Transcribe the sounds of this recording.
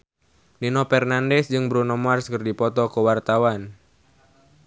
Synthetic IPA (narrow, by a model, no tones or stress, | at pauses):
ninɔpɛrnandɛsd͡ʒɨŋbɾunɔmarskɨrdipɔt̪ɔkəwart̪awan